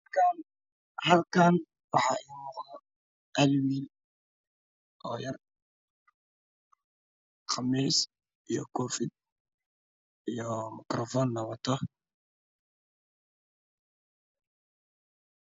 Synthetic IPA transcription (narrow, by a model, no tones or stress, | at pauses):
kan | hɐlkʰan | wɑħɑːʔiːnɔqd̪ɔ | ʔɐlwiːl | ʔɔ̰ːjɐr | qʰɑmiːs | ijɔ̰kʰɔːfɪd̪̚ | ijɔmɪkɾɔfɔnːɔwɔt̪ʰɔ